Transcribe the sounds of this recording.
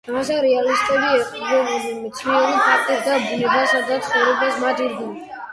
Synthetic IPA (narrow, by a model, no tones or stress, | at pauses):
amasaɾɛalist̪ʼɛbiɛqʼɔbɛbɛdɛmɛt̪sʰniɔɾipʰak̚t̪ʼisd̪abunɛbasad̪at̪sʰχɔvɾɔbasmad̪iɾd̪inɛ